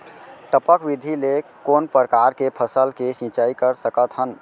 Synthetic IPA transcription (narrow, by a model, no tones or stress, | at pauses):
ʈəpəkbid̪ʱilekonpəɾəkaɾkepʰəsəlkesĩt͡ʃaikəɾsəkət̪ɦən